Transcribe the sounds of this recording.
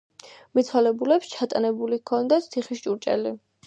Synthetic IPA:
mit̪sʰwalɛbulɛpst͡ʃʰat̪ʼanɛbulikʰɔnd̪at̪sʰiχiʃt͡ʃʼuɾt͡ʃʼɛ̰li

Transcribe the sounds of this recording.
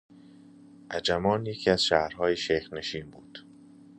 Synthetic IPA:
ʔæd͡ʒæmɒːnjecʰiːæz̥ʃæːhɾɦɒːjeʃejxne̞ʃiːmbuːd̪̥

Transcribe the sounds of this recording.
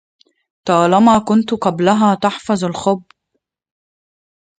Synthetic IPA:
t̪ɑːlɑmakʊnt̪ʊqɑblaɦaːt̪aħfɑzˤalxʊbː

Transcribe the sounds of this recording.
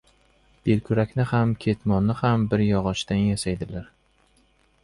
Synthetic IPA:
b̥elkʲʰʊɾakʲnɪhamkʲʰe̞t̪mɒnːɪhambɪɾjɒʁɒʃt̪anjasajd̪ɪlaɾ

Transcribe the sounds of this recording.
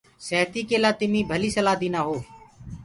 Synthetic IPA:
səːt̪iːkeːlaːt̪ɪmĩːbʱəliːsəlaːd̪iːnaːɦoː

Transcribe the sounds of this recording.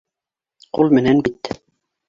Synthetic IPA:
qulˠmɘ̆nænbit̪

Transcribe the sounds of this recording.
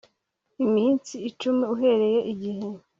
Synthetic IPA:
imiːnt͡siːt͡ʃumiuɦe̞ɾe̞je̞ʔiɟihe

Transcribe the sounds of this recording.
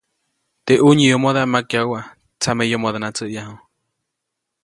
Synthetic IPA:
t̪eʔuɲijomoðaʔmakjauwa | t͡samejomod̪anat͡səʔjaɦo

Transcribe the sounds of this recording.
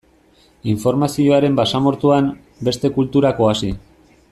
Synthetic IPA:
iɱfo̞ɾmasio̞aɾe̞mbasamo̞ɾt̪uam | be̞st̪e̞kult̪uɾako̞asi

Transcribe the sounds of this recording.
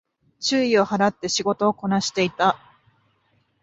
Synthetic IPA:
t͡ɕɨːio̞haɾat̪ːe̞ɕiɡo̞t̪o̞ːko̞naɕi̥t̪e̞it̪a

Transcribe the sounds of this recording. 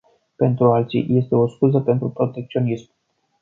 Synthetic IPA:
pɛnt̪ɾualt͡sʲḭʔjɛst̪ɛwɔskuzapɛnt̪ɾupɾɔt̪ɛk̚t͡s̪ʲjɔnʲism

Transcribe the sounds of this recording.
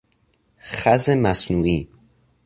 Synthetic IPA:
xæzemæsnuːiː

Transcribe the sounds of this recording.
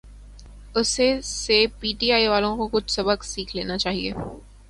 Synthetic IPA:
ʊsesepiːʈiaːiʋaːlõkokʊt͡ʃʰsɐbəksiːkʰleːnat͡ʃaːɦḭḛː

